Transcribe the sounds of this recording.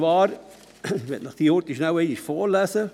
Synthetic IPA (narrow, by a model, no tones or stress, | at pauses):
ʋɑːɾ | ʋɛtnɑχd̥iːɔːɾtiʃnawɛɪniʃfoːɾlæsə